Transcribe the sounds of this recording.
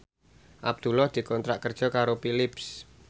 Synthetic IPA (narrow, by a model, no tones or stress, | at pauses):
ʔab̚d̪̥ṳlɔhd̪̥i̤kɔnt̪ɾaʔkərd̥ʒ̥ɔ̤kaɾopilɪps